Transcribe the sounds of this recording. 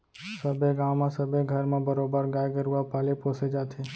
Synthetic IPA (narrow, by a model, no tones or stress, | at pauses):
səbʱeɡaːwmãsəbeɡʱəɾmẽbəɾoːbəɾɡaːjɡeɾuapaːlepoːsed͡ʒaːt̪ʰe